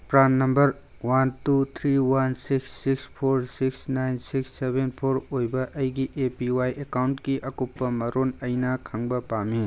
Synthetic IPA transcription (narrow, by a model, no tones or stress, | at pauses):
pɾanːɐmbɐɾ | wantut̪ʰɾiwansiksːikspʰoɾsiksnajnsiksːebenpʰoɾojbɐʔɐjɡiʔepiwajʔekawnʈkiʔɐkupːɐmɐɾonɐjnakʰɐŋbɐpami